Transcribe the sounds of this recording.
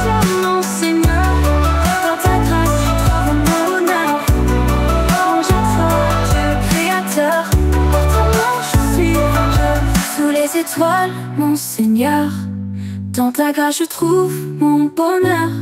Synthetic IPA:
mɔ̃seɲœʁp̪ãʁt̪aɡʁasət̪χuvmɔ̃nœʁ | ɔ̃ʒafwad̪əkχeat̪œʁat̪amɔ̃ʒəsɥiʒəsulezet̪wal | mɔ̃seɲœʁ | d̪̥ɑ̃t̪aɡaʒət̪χuvmɔ̃bɔnœʁ

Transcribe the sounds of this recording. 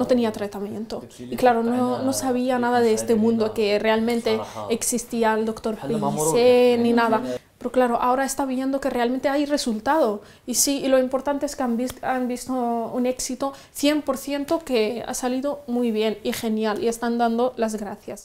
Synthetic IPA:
no̞t̪e̞niat̪ɾat̪amjẽ̞nt̪o̞ | iklaɾonono̞saβ̞ianað̞aðeest̪e̞mũnd̪oke̞re̞almẽ̞nt̪e̞eksist̪iald̪o̞kt̪o̞ɾpinseninaða | peɾoklaɾo̞ʔao̞ɾaest̪aβije̞nd̪o̞kere̞alment̪eajre̞sult̪að̞o̞ | isiːlo̞impo̞ɾt̪ant̪eeskeamiambist̪oune̞ksit̪o̞ | θje̞mpo̞ɾθje̞nt̪o̞kea̰saliðomujβje̞nixe̞njalḭe̞st̪and̪and̪o̞lazɣɾaθjas

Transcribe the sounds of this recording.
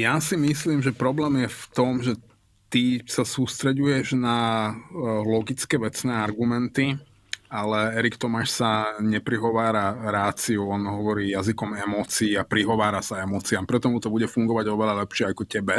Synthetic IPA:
jasimisliːmʒɛpɾɔblɛːmjɛft̪ɔmʒɛ | t̪isasuːst̪ɾɛɟujɛʒna | lɔɡit͡skɛːʋɛt͡snɛːaɾɡumɛnt̪i | alɛɛɾikt̪ɔmaːʃsaɲɛpɾiɦɔʋaːɾaɾaːt͡siuɔnɦɔʋɔɾiːjazikɔmɛmɔːt͡siːapɾiɦɔʋaːɾasaɛmɔːt͡siampɾɛt̪ɔmut̪ɔbuɟɛfuŋɡɔʋaɟɔʋɛʎalɛpʃɪɛakɔcɛbɛ

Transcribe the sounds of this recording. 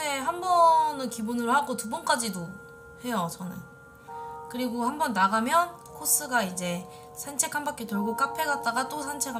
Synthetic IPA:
eɦambʌnɯnkibunɯɾohaɡotubʌnk͈ad͡ʑido | he̞jot͡ɕʌnɯ̰n | kɯɾiɡohambʌnːaɡamjʌn | kʰos͈ɯɡaid͡ʑe̞ | sʰant͡ɕʰe̞kʰambak͈etɯɭɡok͈apʰeɡat̚t͈aɡat͈osʰant͡ɕʰekʰa

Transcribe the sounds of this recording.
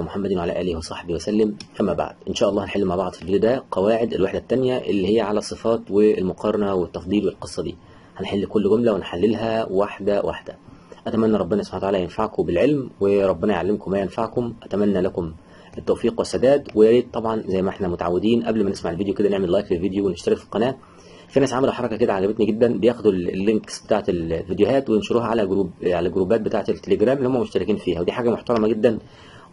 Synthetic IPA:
moħamːæd̪nwʕalæ̰ːʔæːlehwɑsˤɑħbiːwæsælːɪmfimæːba̰ʕd̪̥̚ʔɪnʃæːʔɑlˤːɑːhnħelːmaːʕbɑʕd̪ˤfilved̪jod̪æqɑwaːʕed̪elweħd̪æt̪ːænjæʔelːihejːæʕalæsˤːɨfɑːt̪welmoqʰɑɾˤɑnæwet̪ːɑfd̪ˤiːlwelqesˤːɑd̪iː | hænħelːkolːɡomlæwenħalːelɦæwaħd̪æwʔa̰ħd̪̥æʔæt̪æmænːæɾˤɑbːenɑsˤo̥bħant̪aʕalːæjenfaʕkobɪlʕelmweɾˤɑbːɪnɑjʕalːemkomæːjenfaʕkomʔæt̪æmænːælækom | ʔet̪ːæwfiːqwesːæd̪æːd̪wejæliːt̪t̪ːˤɑbʕɑnzæjːmæʔeħnæmot̪aʕawːed̪iːnʔæblmænesmaʕelvid̪joked̪æneʕmelːɑːjklelvid̪joweneʃt̪æɾɑkfilqɑnæː | finæːsʕamæluħɑɾˤɑkæked̪æʕaɡæbet̪niɡed̪ːænbejæːxod̪ullːeŋksb̥et̪aːʕet̪llvid̪joɦæːt̪wejenʃoɾuːɦæʕalæɡɾuːbʕalæɡɾuːbæːt̪bet̪aːʕet̪elt̪ːeleɡɾæːmlihomːæmoʃt̪æɾekiːnfiːhæwed̪iːħaːɡæmoħt̪ɑɾˤɑmɑɡed̪ːæn

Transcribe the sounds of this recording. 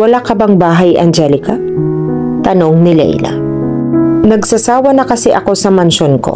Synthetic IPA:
wɐlakɐbɐŋbaːɦɐjʔɐ̰nd͡ʒɛlɪkɐ | t̪ɐno̞ŋnɪlɛ̰j̰lɐ̰ | nɐɡsɐsaːwɐnɐkɐsɛʔɐko̞sɐmɐnʃonko̞̰

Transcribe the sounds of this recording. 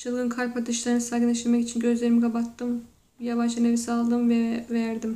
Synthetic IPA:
t͡ʃʰɯlˠɡɯnkʰaɾpʰat̪ʰɯʃlˠaɾɯnɯsaɡɯneʃiɾmɛkit͡ʃʰinɟø̞zlʲe̞ɾimiɡabat̪ːɯm | javad͡ʒɯnevisalˠd̪ɯmvɛvæɾd̪im

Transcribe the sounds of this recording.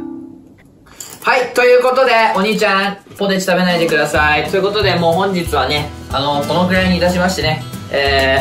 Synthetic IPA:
hait̪o̞jɯ̟ːko̞t̪o̞d̪e̞o̞ɲ̟it͡ɕãŋpo̞d̪et͡ɕi̥t̪abe̞naid̪e̞kɯ̟d̪asait̪o̞jɯ̟ko̞t̪o̞d̪e̞mo̞ːhõ̞ɲ̟d͡ʑit͡sɨβane̞ano̞ko̞no̞kɯ̟ɾaiɲ̟iːt̪aɕimaɕi̥t̪e̞ne̞eː

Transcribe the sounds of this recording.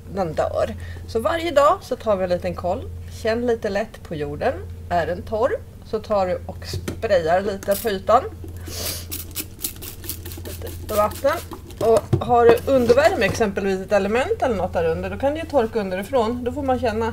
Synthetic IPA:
d̪ɛnd̪œ̰ːɾsɔvaɾjəd̪ɑːsɔt̪ʰɑːɾvɪliːt̪ənkʰɔlːɕɛnːliːt̪əlɛt̪ːpʰɔjuːɖənæɾɛnt̪ʰɔɾ | sɔt̪ʰɑːɖɵʔɔkspɾɛjːaɾɭiːt̪əfyːt̪an | t̪pɔvat̪nən | ɔɦaɖɵʔɵnd̪əɾvæɾmɛksɛmpəlviːsɛt̪ɛləmɛnt̪ɛlːəɳɔt̪̚d̪æːɾɵnd̪əɖɔkʰand̪ɛjɵt̪ʰɔɾkaɵnd̪əɾɪfɾoːnd̪ɔfoːɾmanɕɛnːa

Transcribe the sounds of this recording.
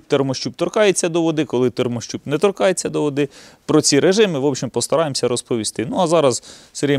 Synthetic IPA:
t̪ɛrmɔʃt͡ʃʲubt̪ɔrkɑjet͡sʲːɐd̪ɔʋɔd̪ɪkɔlˠɪt̪ɛrmɔʃt͡ʃʲubnɛt̪ɔɾrkɑjet͡sʲːɐd̪ɔʋɔd̪ɪ | pɾɔt͡sʲiɾeʒɪmɪʋɔpʃimpɔst̪ɐɾɑjemsʲɐɾɔspɔʋʲist̪ɪnuɐzɑɾɐzseɾʲi

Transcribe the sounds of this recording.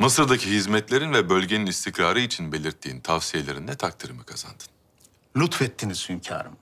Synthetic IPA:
mɯsɯɾd̪acʰiɦizmɛt̪lʲe̞ɾinvɛbølʲɟe̞ninist̪ʰicɾaːɾɯit͡ʃʰinbe̞lʲiɾt̪ʰːiːnt̪ʰavsije̞lʲe̞ɾind̪ɛt̪ʰak̚t̪ʰiɾɯmɯkʰaz̥a̰nd̪ɯ̥n | lʲut̪fɛt̪ʰːiniz̥hymcʰa̰ːɾɯ̰m

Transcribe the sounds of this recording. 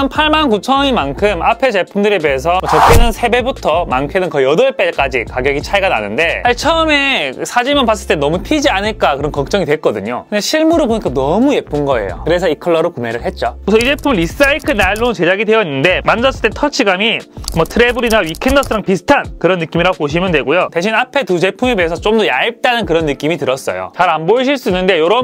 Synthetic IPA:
ʌnpʰaɭmankut͡ɕʰʌɲimankʰɯmapʰe̞t͡ɕe̞pʰumdɯɾebeɦes̬ʰʌmʌt͡ɕʌt͈enɯnsʰe̞be̞butʰʌmankʰenɯnkʌjʌdoep͈ek͈ad͡ʑikaɡjʌɡit͡ɕʰaeɡana̰nɯnde̞at͡ɕʰʌːme̞sʰad͡ʑimjʌnpas͈ɯɭt͈enʌmutʰid͡ʑianɯɭk͈akɯɾʌnkʌk̚t͡ɕ͈ʌŋidwe̞k͈ʌdɯɲokɯndeɕʰiɭmuɾɯɭpoɲik͈anʌmuje̞p͈unɡʌe̞̰jo̰kɯɾe̞sʰʌikʰʌɭːʌɾokumeɾɯɭɦe̞t̚t͡ɕ͈okɯsʰʌid͡ʑe̞pʰumɯɾis͈aikʰɯnaɭːot͡ɕe̞d͡ʑaɡidwe̞jʌinːɯnde̞mand͡ʑʌs͈ɯɭt͈etʰʌt͡ɕʰiɡamimʌtʰɯɾe̞bɯɾinaɥikʰe̞ndʌs͈ʰɯɾaŋpisʰɯ̥tʰankɯɾʌnːɯk͈imiɾaɡopoɕ̬ʰimjʌndwe̞ɡojoteɕʰinapʰe̞tut͡ɕe̞pʰumepeːsʰʌt͡ɕ͈omdʌjaip̚t͈anɯnkɯɾʌnːɯk͈imitɯɾʌs͈ʌ̰jo̰t͡ɕaɾanboiɕʰiɭs͈uinːɯnde̞joɾʌ

